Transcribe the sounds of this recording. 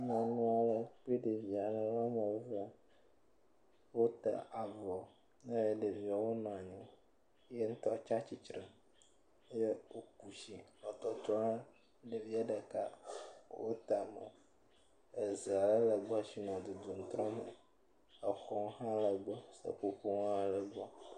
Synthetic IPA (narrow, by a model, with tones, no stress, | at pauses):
mã˨nũ˦a˨lə˨k͡pe˦ɖe˨vi˨a˨lə˨la˦me˨˦və˦ | wo˦t̪a̰˨ʔa˨vɔ˨ | ne˦je˦ɖe˨vi˨a˨wo˦nɔ̃˨a˨ɲɛ̃˨˦ | je˦ŋ̩˦t̪ɔ˦˨t͡ʃa˦t͡ɕi˨t͡ʃɾɛ̃˨˦ | je˦wo˦k̚u˨ʃi˨ɔ˨t̪ɔ˨t̪ɾɔ˦ | ɖe˨vi˦a˦ɖə˨ka˦wo˦t̪a˨mḛ˨ | e˨ze˨a˨lə˦lə˨ɡ͡bsi˦nɔ̃˨d̪u˨d̪u˨ŋ̩˨˦t̪ɾɔ̃˦mu˨ | ə˨xɔ˦hã˦lə˨ɡ͡bɔ˦sə̰˨k͡po˦ɸu˦ŋ̃˦a˨lə˨ɡ͡bɔ˦